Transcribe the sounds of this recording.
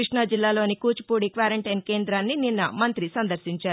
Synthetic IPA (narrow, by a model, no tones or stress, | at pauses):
kɾiʂɳɐd͡ʒilːaːlo̞ːnikuːt͡ʃu̥puːɽikʋaːɾɐɳʈɐjnkeːnd̪ɾaːnːininːɐmɐnt̪ɾisɐnd̪ɐɾʃiɲt͡ʃaːɾu